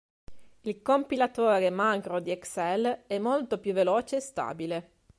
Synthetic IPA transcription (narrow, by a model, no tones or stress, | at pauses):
ilkompilat̪oːɾemakɾod̪iɛksɛlɛmːolt̪opjuvːeloːt͡ʃeːst̪a̰ːbile